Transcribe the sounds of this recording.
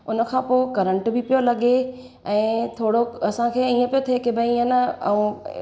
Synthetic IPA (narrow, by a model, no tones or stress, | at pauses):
ʊnə̆kʰãːpoːɪkɐɾə̃ɳʈbʱɪpijolɐɠe | ɛ̃ːt̪ʰoːɽoɐsãkʰeːiːə̃pijot̪ʰiekebʱɐiiə̃nɐɐ̰ũ